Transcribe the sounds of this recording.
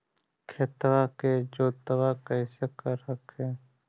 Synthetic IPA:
kʰeːt̪waked͡ʒoːt̪əwakəɪsekəɾəkʰeː

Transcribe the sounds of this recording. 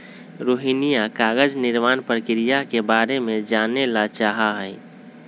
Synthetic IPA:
ɾoɦinijakaːɡəd͡ʒnɪɾmaːnpɾəkɾijakebaːɾemẽd͡ʒanelat͡ʃaɦaɦəɪ

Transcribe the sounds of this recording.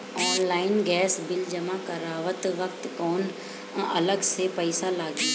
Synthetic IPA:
ɔːnlaːɪnɡɛːsbɪld͡ʒəmãkəɾaːʋət̪ʋəkt̪kɔːn | ɐ̰ləɡsepəɪsalaːɡi

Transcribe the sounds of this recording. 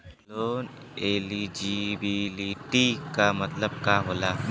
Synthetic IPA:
loːn | eːlid͡ʒibiliʈikamɐt̪ləb̚kaːɦoːlaː

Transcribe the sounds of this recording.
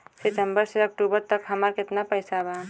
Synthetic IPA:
sisəmbəɾseək̚ʈubəɾt̪əkɦəməɾkɪt̪napəɪsaba

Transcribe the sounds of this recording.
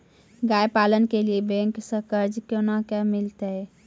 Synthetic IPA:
ɡajpalənkeliebẽŋksə̃kəɾd͡ʒkonakɛmilt̪əj

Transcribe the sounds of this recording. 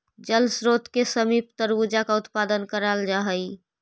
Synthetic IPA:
d͡ʒəlsɾot̪kesəmip̚t̪əɾud͡ʒakaʊt̪pad̪ənkəɾald͡ʒaɦəj

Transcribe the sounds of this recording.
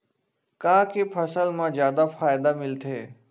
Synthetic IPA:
kãːkepʰɐsəlmãzjaːd̪afʰaːjd̪amɪlt̪ʰeː

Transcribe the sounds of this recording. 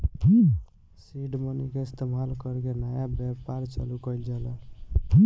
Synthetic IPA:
siɖmənikeɪst̪emalkəɾkenajabjapaɾt͡ʃə̰lukəjld͡ʒɛlə

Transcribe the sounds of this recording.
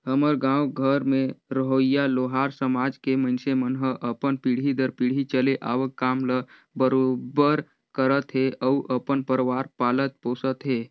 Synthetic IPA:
həməɾɡãːwɡʱəɾmẽɾəɦoijaloːɦaːɾsəmaːd͡ʒkeməɪnsemənɦəʔəpənpiɽ̤ɦid̪əɾpiɽ̤it͡ʃəleʔa̰ːʋəkːaːmlə | bəɾobəɾ | kəɾət̪ɦeʔəuʔəpənpəɾʋaːɾpaːlət̪̚poːsət̪ɦeː

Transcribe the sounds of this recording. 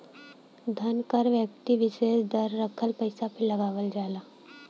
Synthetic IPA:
d̪ʱɐnkəɾʋjək̚t̪iʋɪseːsd̪əɾːəkʰəlpəɪsapʰɪlɐɡaːʋəld͡ʒaːlaː

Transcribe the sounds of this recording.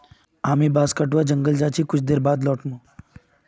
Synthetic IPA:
aːmibaːskəʈʋad͡ʒəŋɡəld͡ʒaːt͡ʃʰiːkʊt͡ʃʰd̪eːɾbaːd̪lɔːʈnũ

